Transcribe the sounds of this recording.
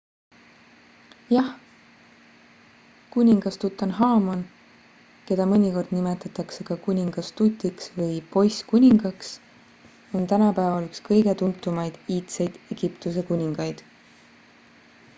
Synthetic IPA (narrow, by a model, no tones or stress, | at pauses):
jɑh | kunʲiŋɡ̥ɑst̪ut̪ːˑɑnɦɑːmon | ke̞d̪̥ɑmɤnʲiko̞rd̪̥nime̞t̪ːˑɑt̪ːˑɑkse̞kɑkunʲiŋɡ̥ɑst̪ut̪ʲːˑiksvɤjpo̞jskunʲiŋɡ̥ɑks | o̞nt̪ænɑpæevɑlykskɤjɡ̥e̞t̪unt̪ːˑumɑjd̪̥iːt̪sejd̪̥eɡ̥ipt̪us̬e̞kunʲiŋɡ̥ɑjd̪̥